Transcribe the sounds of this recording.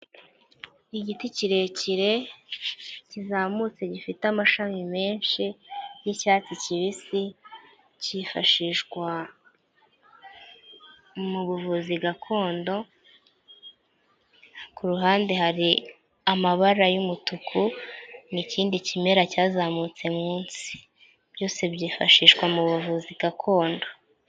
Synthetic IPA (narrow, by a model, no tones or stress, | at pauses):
iɟiticiɾe̞ciɾe̞ | cizamut͡se̞ɟifitamaʃamime̞ːnʃijicaːt͡siciβisi | cifaʃiʃɡwa | muβuvuziɡakʰo̞ːndo̞ | kuɾuɦaːnde̞ɦaɾi | amaβaɾajumutukʰuniciːndicime̞ɾacaːzamut͡se̞muːnsi̥ | b̥jo̞ːse̞bɟiːfaʃiːʃɡwamuβuvuziɡ̥akʰo̞ːndo̞